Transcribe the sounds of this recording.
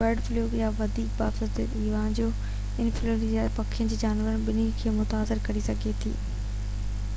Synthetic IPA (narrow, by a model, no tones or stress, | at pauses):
əɾɖfloːɡjaːʋɐd̪ʱiːk̚ba̰ːfɐd̪ət̪ɪʋaːnd͡ʑoː | ɪnfɪloːɡapɐkʰijə̃nd͡ʑiːd͡ʑaːnʋəɾənbɪnikʰeːmʊt̪aːsɪɾkɐɾisɐɡʱet̪ʰḭː